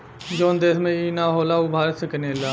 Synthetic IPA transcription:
d͡ʒoːnd̪eːsmẽiːnaːɦoːlaʊbʱaːɾsəkəneːlaː

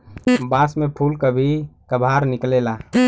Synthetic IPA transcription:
basmepʰulkəbʱikəbʱaɾniklela

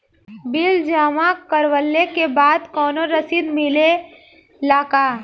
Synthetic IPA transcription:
bɪld͡ʒaːmakəɾwəlːekebaːd̪kɔːnoɾəsiːd̪mɪle | laːka

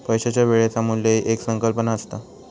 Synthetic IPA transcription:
pəjɕat͡ɕjaʋeɭjat͡samuleʔeksəŋkəlpənaəst̪a

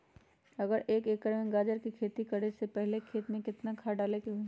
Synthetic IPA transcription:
ɐɡəɾʔeːkeːkəɾmẽɡaːd͡ʒəɾkikʰeːt̪ikɐɽesepɛɦlekʰeːt̪mẽkɪt̪nakʰaːɖaːlekeɦʊi

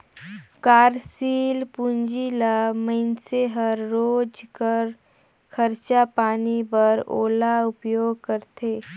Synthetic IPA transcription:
kaːɾsiːlpuɲd͡ʒilaməɪnseɦəɾːod͡ʒkəɾ | kʰəɾt͡ʃapaːnibəɾo̰ːlaupjoːɡ̚kəɾt̪e

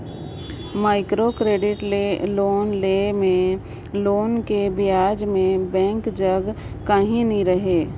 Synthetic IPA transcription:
maːɪkɾokɾeːɖɪʈleloːnlemẽ | loːnkebɪjaːd͡ʒmẽbɛ̃ːŋkd͡ʒəɡ | kaɦĩnəĩɾəɦeː

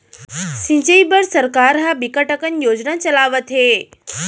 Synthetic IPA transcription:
sĩɲt͡ɕəibəɾsəɾkaɾɦabikəʈəkənjod͡ʑnat͡ɕəlaʋət̪ɦe

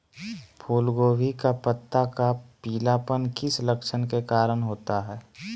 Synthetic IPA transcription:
pʰuːlɡoːʋikapət̪ːakapiːlaːpənkɪsləkʃʰənkekaːɾəɽ̃ɦoːt̪aɦɛː

